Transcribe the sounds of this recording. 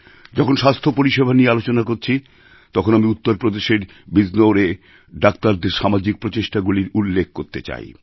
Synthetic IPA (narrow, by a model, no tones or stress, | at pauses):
d͡ʑɔkʰonʃast̪ʰopoɾiʃebʱaniealot͡ɕonakoɾt͡ɕʰi | t̪ɔkʰonamiut̪ːoɾpɾod̪eʃeɾ | biznoɾe | ɖakt̪aɾd̪eɾʃamad͡ʑik̚pɾot͡ɕeʃʈaɡuliɾulːek̚ʰkoɾt̪et͡ɕa̰j